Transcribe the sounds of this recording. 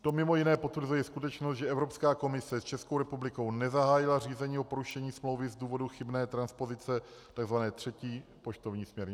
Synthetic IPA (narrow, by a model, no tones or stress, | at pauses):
t̪o̞mɪmo̞jɪnɛːpo̞t̪vɾ̩zujɛskut̪ɛt͡ʃnost̪ʒɛʔɛvɾo̞pskaːko̞mɪsɛst͡ʃɛskowɾɛpublɪko̞wnɛzaɦaːjɪlariːzɛɲiːopo̞ɾuʃɛɲiːsmlo̞wvɪzduːvo̞duxɪbnɛːt̪ɾanspo̞zɪt͡sɛ | t̪aɡzvanɛːt̪r̝̥ɛciː | poʃt̪o̞vɲiːsmɲɛɾɲɪ